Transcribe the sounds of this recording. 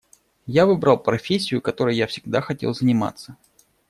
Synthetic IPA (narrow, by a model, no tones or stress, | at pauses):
javɨbɾalˠpɾɐfʲesʲːɪjʊkɐt̪o̞ɾəjjafsʲɪɡ̚d̪axɐtʲḛlˠzənʲɪma̰t̪sə